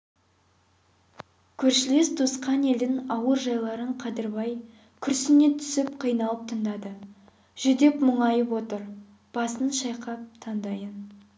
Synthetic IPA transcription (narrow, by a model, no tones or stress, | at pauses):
kʲʰɵɾʃɪle̞sd̪usqɑne̞lɪnɑwəɾʒɑjlˠɑɾəɴqʰɑd̪əɾbɑj | kʲʰʏɾsɪnːe̞t̪ʰʏ̥sɪpqʰijnɑlˠəp̚t̪ʰəɴd̪ɑd̪ə | ʒ̥ʏd̪e̞pmʊɴɑjəpwo̞t̪əɾ | b̥ɑsənʃɑjqʰɑp̚t̪ʰɑnd̪ɑjən